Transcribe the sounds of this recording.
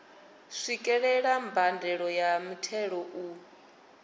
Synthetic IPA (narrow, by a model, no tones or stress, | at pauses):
ʂikʼɛɺɛɺambʱandʱɛɺɔjamutʰɛɺɔʔu